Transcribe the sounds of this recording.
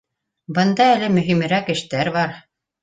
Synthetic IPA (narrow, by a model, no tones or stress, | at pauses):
bɤ̆nd̪ɑælɘmɵ̆ɦimɘ̆ɾækɘ̆ʃt̪æɾβɑɾ